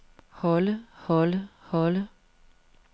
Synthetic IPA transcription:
hɔləhɔləhɔlə

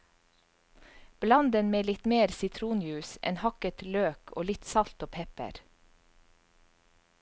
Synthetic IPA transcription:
b̥lɑnd̪ənmeːlɪt̪meːɾsɪt̪ʰɾuːnjʉːsʔɛ̰nhɑkət̪løːkʰo̰ːlɪt̪sɑlt̪oːpʰɛpə̰ɾ

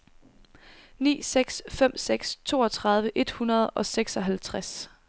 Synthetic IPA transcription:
nḭːseɡ̥sfem̰seɡ̥st͡sʰo̝̰ːɒ̽t͡sʰʁɑ̈ð̞ˠʋəʔe̝d̥hunɐð̞ˠʔɒ̽seɡ̥sɒ̽ɦælt͡sʰʁas

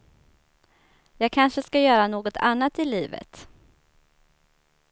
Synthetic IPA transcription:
jɑːɡ̚kʰanʂəskajœːɾanoːɡɔt̪ʰa̰nːat̪ɪliːvə̰t̪

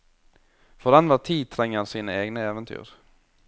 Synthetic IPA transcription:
fɔd̪ɛnʋæt̪ʰiːt̪ʰɾɛŋːəɑnsiːnəeːɡnəeːʋənt̪ʰy̰ːɾ

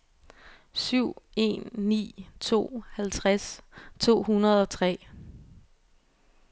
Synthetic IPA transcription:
syʊ̰e̝̰nːḭːt͡sʰo̝̰ːhælt͡sʰʁast͡sʰo̝̰ːhunɐð̞ˠɒ̽t͡sʰʁɛ̰ː

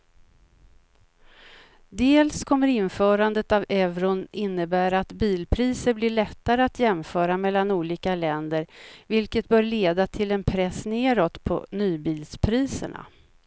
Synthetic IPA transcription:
d̪eːlskʰɔmːəɾɪnfœːɾand̪ət̪avɛvɾʊnɪnːəbæːɾaat̪biːlpʰɾiːsəɾblɪɭɛt̪ːaɾəat̪jɛmfœːɾamɛlːanuːliːkalɛnd̪əɾvɪlkət̪̚bœːɾɭeːd̪at̪ʰɪlɛnpʰɾɛsːneːɾɔt̪pʰɔ̰nyːbiːlspʰɾiːsə̰ɳa̰

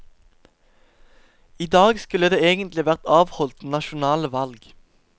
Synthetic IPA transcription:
iːd̪ɑːɡskʉləd̪eːeːɡənt̪lɪʋæʁt̪ɑːʋhɔlt̪nɑʃʊnɑːləʋɑlɡ

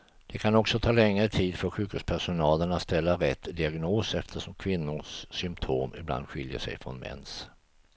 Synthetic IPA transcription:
d̪̥ɛkʰanɔksɔt̪ʰɑːlɛŋːɾət̪ʰiːd̪fœɾɧʉ̟ːkʰɵd̪spʰæʂʊnɑːləɳat̪st̪ɛlːaɾɛt̪ːd̪ɪaɡnoːsɛft̪ʰəʂɔmkʰvɪnːʊsːʏmpt̪ʰoːmɪbla̰nd̪ɧɪljə̰ʂɛ̰jfɾɔ̰nmɛ̰ns

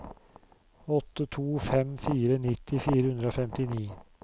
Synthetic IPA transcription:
ɔt̪ːət̪ʰuːfɛmfiːɾənɪt̪ʰːɪfiːɾəhʉnd̪ɾəoːfɛmt̪ɪniː

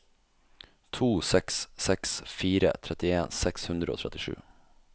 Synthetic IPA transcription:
t̪ʰuːsɛkssɛksfiːɾə̰t̪ʰɾɛt̪ɪeːnsɛkshʉnd̪ɾəo̰ːt̪ʰɾɛt̪ɪʂʉ̰ː

